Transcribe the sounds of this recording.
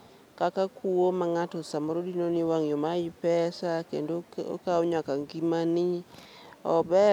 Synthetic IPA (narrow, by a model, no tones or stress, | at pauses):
kakakuwomaŋatɔsamɔɾodinoniwaŋjomaɪpɛsakḛndoo̰kaɔɲakaŋɡimani | ɔbɛ